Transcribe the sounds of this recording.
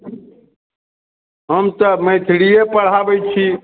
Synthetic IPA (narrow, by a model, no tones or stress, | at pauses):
ɦəmt̪əmẽːt̪ʰɪɽiːeːpəɽ̤aːʋəit͡ʃʰiː